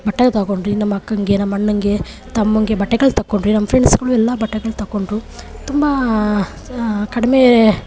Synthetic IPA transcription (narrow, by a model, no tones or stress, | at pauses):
bɐʈːeɡt̪ɐkoɳɖɾinɐmːɐɐkːɐŋɡe̞nɐmːɐɐnːɐŋɡe̞ | t̪ɐmːɐŋɡe̞bɐʈːɛɡɐɭt̪ɐkːoɳɖɾinɐmːɐpʰɾeɳɖsɡɐɭuɛlːɐbɐʈːɛɡɐɭt̪ɐkːoɳʈɾu | t̪umbɐ | kɐɽɐme